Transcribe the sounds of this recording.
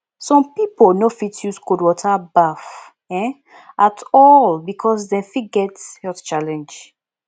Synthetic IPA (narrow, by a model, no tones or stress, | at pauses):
sɔ̃mpipolnofitʰjuskudwɔtʰabaf | ɛ̃ | ʔatʰɔlbikʰɔsdɛ̃fiɡɛtjɔtt͡ʃalɛ̃nd͡ʒ